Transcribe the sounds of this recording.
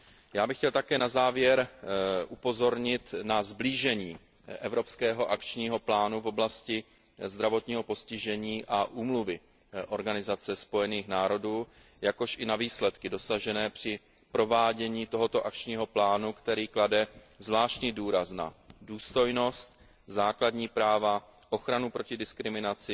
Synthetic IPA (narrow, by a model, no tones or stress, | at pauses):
jaːbɪxcɛlt̪akɛːnazaːvjɛɾʔupo̞zo̞ɾɲɪt̪nazbliːʒɛɲiː | ʔɛvɾo̞pskɛːɦo̞ʔakt͡ʃɲiːɦo̞plaːnuvo̞blascɪ | zd̪ɾavo̞t̪ɲiːɦo̞po̞scɪʒɛɲiːʔaʔuːmluvɪ | ʔo̞ɾɡanɪzat͡sɛspo̞jɛniːxnaːɾo̞duː | jako̞ʃɪnaviːslɛt̪kɪdo̞saʒɛnɛːpr̝̥ɪ | pɾo̞vaːɟɛɲiːt̪o̞ɦo̞t̪o̞ʔakt͡ʃɲiːɦo̞plaːnukt̪ɛɾiːkladɛ | zvlaːʃcɲiːduːɾasna̰duːst̪o̞jno̞st̪̚ | zaːkladɲiːpɾaːva | ʔo̞xɾanupɾo̞cɪdɪskɾɪmɪnat͡sɪ